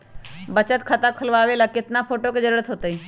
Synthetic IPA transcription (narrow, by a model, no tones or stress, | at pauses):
bət͡ʃət̪kʰɐt̪akʰəlʋaːʋelakɪt̪napʰoːʈoked͡ʒəɾuːɾət̪ɦoːt̪əi